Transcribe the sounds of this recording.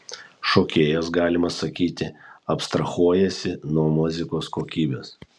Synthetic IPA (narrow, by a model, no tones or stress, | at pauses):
ʃoːkʲeːjɛsɡɑːlʲɪmɐsɐkʲiːt̪ʲɪɐpst̪ɾɐxuɔjɛsʲɪnuɔmʊzʲɪkoːskoːkʲiːbʲḛːs